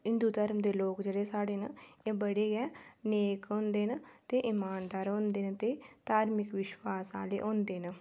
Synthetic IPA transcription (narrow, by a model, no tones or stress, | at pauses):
ɦɪ̃nd̪uːt̪əɾmd̪eːloːkd͡ʒeːɽeːsaːɽeːnəeːbəɽeːɡɛːneːkɦõːnd̪eːnət̪eːʔɪmaːnd̪aːɾõːnd̪eːnət̪eːt̪aːɾmɪkʋɪʃwaːsa̰ːlḛːʔõːnd̪eːnə